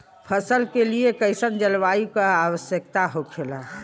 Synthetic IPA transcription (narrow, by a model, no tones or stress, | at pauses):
pʰəsəlkeliekəɪsənd͡ʒəlʋaukəaʋəsjəkt̪aɦokʰela